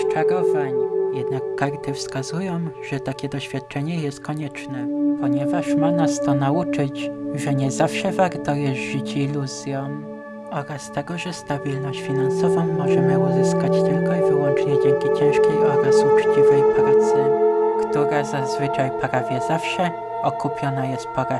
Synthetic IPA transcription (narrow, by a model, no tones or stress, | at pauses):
st͡ʂaɾɔvaɲjɛd̪nakːaɾt̪ɘfskazujɔ̃w̃ʐɛt̪akʲɛd̪ɔɕfʲjat̪̚t͡ʂɛɲɛjɛst̪̚kɔɲɛt͡ʂnɛpɔɲɛvaʂmanast̪ɔnaut͡ʂɘt͡ɕʐɛɲɛzafʂɛvaɾt̪ɔjɛʐɘt͡ɕiluzʲjɔ̃m | ɔɾast̪ɛɡɔʐɛst̪abʲilnɔɕt͡ɕfʲinansɔvɔ̃w̃mɔʐɛmɘuzɘskat͡ɕt̪ɘlkɔivɘwɔnt͡ʂɲɛd͡ʑɛŋkʲit͡ɕɛñʂkʲejʔɔɾasut͡ʂt͡ɕivɛjpɾat̪sɘkt̪uɾazazvɘt͡ʂajpɾavʲjɛzafʂɛ | ɔkupʲjɔnajɛst̪̚pɔɾa